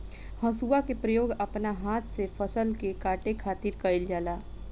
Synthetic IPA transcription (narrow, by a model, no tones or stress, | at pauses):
hɐ̃suːʋakepɾəjoːɡɐpnaɦaːt̪ʰsefʰəsəlkekaːʈekʰaːt̪ɪɾkɐɪld͡ʒaːlaː